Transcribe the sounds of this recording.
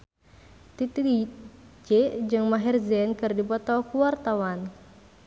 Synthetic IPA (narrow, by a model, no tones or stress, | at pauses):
t̪it̪i | d͡ʒɛd͡ʒɨŋmaɦirzɛnkɨrdibɔt̪ɔkuwart̪awan